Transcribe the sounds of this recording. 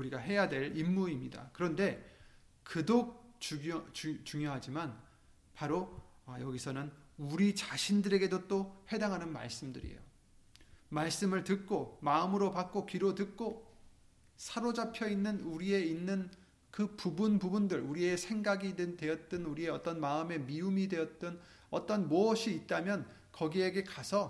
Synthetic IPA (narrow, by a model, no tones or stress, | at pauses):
uɾiɡaɦe̞jadwe̞ɾimːuimɲida̰kɯɾʌnde̞ | kɯdok̚t͡ɕut͡ɕt͡ɕuŋjoɦad͡ʑiman | paɾo | jʌɡisʰʌnɯnuɾit͡ɕaɕʰindɯɾe̞ɡe̞dot͈ohe̞daŋɦanɯnma̰ɭs͈ɯmdɯ̰ɾḭjo̰ | maɭs͈ɯmɯɭtɯk̚k͈omaɯmɯɾopak̚k͈okiɾotɯk̚k͈o | sʰaɾod͡ʑapʰjʌinːɯnuɾie̞inːɯn | kɯpubunpubundɯɾuɾie̞sʰe̞ŋɡaɡidtwe̞ʌt̚t͈ɯnuɾie̞ʌt͈ʌnmaɯme̞miumidwe̞ʌt̚t͈ɯn | ʌt͈ʌnmoʌɕʰiːt̚t͈amjʌn | kʌɡie̞ɡe̞kasʰʌ